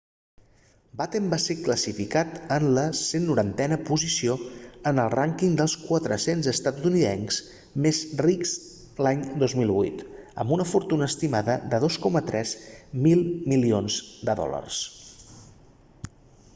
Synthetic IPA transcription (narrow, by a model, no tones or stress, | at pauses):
bat̪əmbasekləsifikat̪ənləsenːuɾant̪ɛnəpuzisioənəlˠraŋkiŋd̪əlˠskwət̪ɾəsenzəst̪at̪uniðɛ̰nz̥ | mezrikz | laɲd̪ozmilˠβṵjt̪ə̰mbunəfuɾt̪unəːst̪imaðəðəðoskɔmət̪ɾɛzmilˠmilionzd̪əðɔ̰lə̰rs